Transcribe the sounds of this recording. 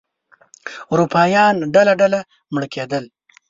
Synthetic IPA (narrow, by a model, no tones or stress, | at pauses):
uɾupʰɑːjɑːnɖalaɖala | mɽkʰed̪əl